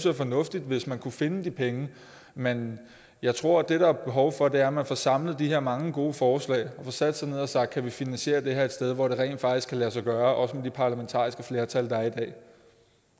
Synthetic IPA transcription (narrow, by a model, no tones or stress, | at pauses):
sæfɒ̽nɔ̽fd̥id̥ʋe̝smænkʰufe̝nəd̥ipʰeŋə | men | jɑ̈ɪt͡sʰʁo̝ɐ̰d̥e̝ɾɑæb̥e̝ɦɒ̽ʊfɒ̽d̥e̝æɐmænfɒ̽sɑ̈m̰ləð̩ˠd̥iɦe̝ɐ̰mɑ̈ŋəɡ̥o̝ːfɒːslɛ̰ːɪɒ̽fɒsæd̥əsɑ̈ɪne̝ð̞̰ˠɒsɑ̈ɡ̥d̥̚kʰæʋifinænsɕie̝̰ːɐd̥e̝ɦeɐed̥sd̥eð̞ˠʋɒɾ̥e̝ʁɛ̰ɪ̰nd̥fɑ̈ɡ̥iskʰælæsɑ̈ɪɡ̥ɶːɐʔɒ̽səmed̥ipʰɑ̈læment͡sʰɑ̰̈ːisɡ̥əfle̝ɐt͡sʰæld̥ɑ̈æɐid̥ɛ̰ː